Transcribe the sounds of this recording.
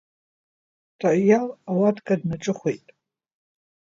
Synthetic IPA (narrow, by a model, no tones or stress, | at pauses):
tʰajalawatʰkʼadnaʈ͡ʂʼɨχʷejtʼ